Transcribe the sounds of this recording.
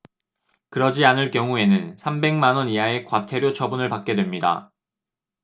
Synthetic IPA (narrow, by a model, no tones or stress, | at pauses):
kɯɾʌd͡ʑianɯɭk͈jʌŋue̞nɯnsʰambe̞ŋmanʌnijae̞kwatʰe̞ɾjot͡ɕʰʌbunɯɭpak͈̚e̞dwemɲida̰